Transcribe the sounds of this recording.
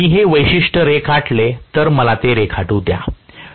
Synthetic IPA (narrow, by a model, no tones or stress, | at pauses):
iːɦeʋəjɕiʂʈəɾekʰaʈlet̪əɾməlat̪eɾekʰaʈuːd̪ja̰